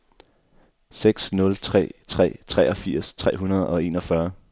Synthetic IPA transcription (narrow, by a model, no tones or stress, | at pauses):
seɡ̥snɔ̽lt͡sʰʁɛ̰ːt͡sʰʁɛ̰ːt͡sʰʁɛʔɒ̽fiɐ̰st͡sʰʁɛ̰ːɦunɐð̞̩ˠɒ̽e̝ːnɒ̽fɶɐ